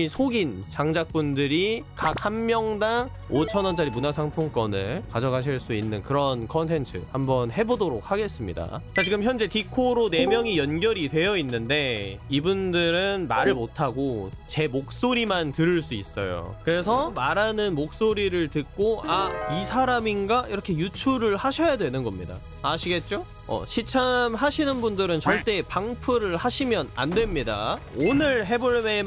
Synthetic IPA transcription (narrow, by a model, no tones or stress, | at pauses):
isʰoɡint͡ɕaŋd͡ʑak̚p͈undɯɾikak̚hammjʌŋdaŋ | ot͡ɕʰʌnʌnt͡ɕaɾimunasʰaŋpʰoŋk͈ʌnɯɭkad͡ʑʌɡaɕ̬ʰiɭs͈uinːɯnkɯɾʌnkʰʌntʰe̞nt͡ɕʰɯ̰hambʌnhe̞bodoɾok̚haɡe̞s͈ɯmɲida̰t͡ɕat͡ɕiɡɯmçjʌnd͡ʑe̞tikʰoɾone̞mjʌŋijʌnɡjʌɾidwe̞jʌinːɯnde̞ibundɯɾɯnmaɾɯɭmotʰaɡot͡ɕe̞mok̚s͈oɾimantɯɾɯɭs͈uḭs͈ʌ̰jo̰kɯɾe̞s̬ʰʌmaɾanɯnmok̚s͈oɾiɾɯɭtɯk͈oaisʰaɾaminɡaiɾʌkʰe̞jut͡ɕʰuɾɯɭhaɕʰʌjadwe̞nɯnɡʌmɲida̰ | aɕʰiɡe̞t̚t͡ɕ͈o | ʌ̰ɕʰit͡ɕʰamɦaɕʰinɯnbundɯɾɯnt͡ɕʌɭt͈e̞paŋpʰɯɾɯɭhaɕʰimjʌna̰ndwe̞mɲida̰onɯɭɦe̞boɭme